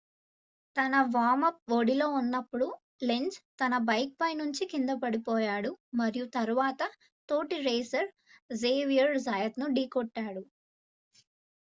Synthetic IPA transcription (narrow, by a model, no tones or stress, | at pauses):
t̪ɐnɐʋaːmɐp̚ʋoɽilo̞ːunːɐpːuɽu | leɲd͡ʒt̪ɐnɐbɐjk̚pɐjnuɲt͡ʃikind̪ɐpɐɽipɔːjaːɽumɐɾijut̪ɐɾuʋaːt̪ɐ | t̪o̞ːʈiɾeːsɐɾ | zeːʋijɐɾd͡ʒaːjɐt̪nuɖiːkɔʈːaːɽu